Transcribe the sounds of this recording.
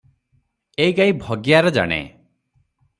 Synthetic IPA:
ejɡaibʱɔɡijaɾɔd͡ʒa̰ɽ̃ḛ

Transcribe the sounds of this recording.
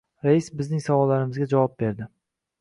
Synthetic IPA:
ɾajisbɪznɪŋsavɒlːaɾɪmɪzɡʲad͡ʒavɒp̚be̞ɾd̪ɪ

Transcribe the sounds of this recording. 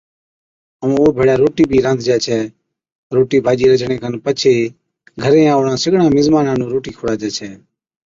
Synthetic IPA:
əm̃ːoːbʱeːɽaːɾoːʈiːbʱiːɾə̃nd̪ʱd͡ʒɛːt͡ʃʰɛː | ɾoːʈiːbʱaːd͡ʒiːɾəd͡ʒɳẽːkʰənpət͡ʃʰeː | ɡʱəɾẽːaːʊɳãːsɪɡɳãːmɪzmaːnãːnũːɾoːʈiːkʰoːɽaːd͡ʒɛːt͡ʃʰɛː

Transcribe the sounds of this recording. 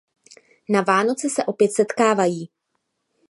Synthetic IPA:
navaːno̞t͡sɪsɛʔo̞pjɛt̪sɛt̪kaːvajiː

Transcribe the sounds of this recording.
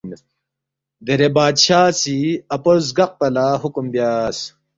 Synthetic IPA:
d̪eɾebaːd̪ɕaːsiɐpozɡɐq̚pɐlaːɦukumbjaːs

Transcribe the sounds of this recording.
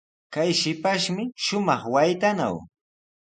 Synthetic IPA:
kajʃɪpaʃmɪʃʊmɑχwajt̪ana̰w

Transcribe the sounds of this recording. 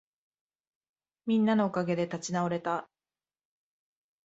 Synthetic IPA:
mʲĩnːano̞ːkaɡe̞d̪e̞t̪at͡ɕinaoɾe̞t̪a

